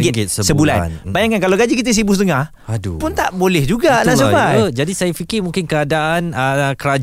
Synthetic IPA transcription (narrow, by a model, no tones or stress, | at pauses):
ɪɡsəsəbula̰nnbaɲãŋkankalawɡad͡ʒikit̪əs̬ibusət̪əŋah | adupʊnt̪aʔbolɛhd͡ʒuɡanãsəpaəd͡ʒadisajafikɪrmũŋkɪnkəadaʔanəkəɾad͡ʒ